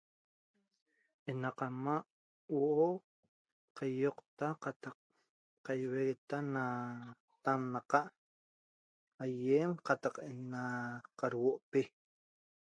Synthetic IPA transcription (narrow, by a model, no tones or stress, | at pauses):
enɑqamaʔ | woʔo | qajoqt̪aqat̪ɑq | qajweɣet̪ana | t̪anːaqɑʔ | ajemqɑt̪ɑqenaqaɾwoʔpe